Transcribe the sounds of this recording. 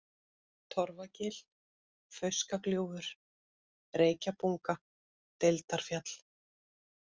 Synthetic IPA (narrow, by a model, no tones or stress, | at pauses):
t̪ʰɔɾvacɪl | fœɥskakljoːwvʏɾ̥ | reːjcapuŋka | t̪elt̪aɾ̥fjat̪l̥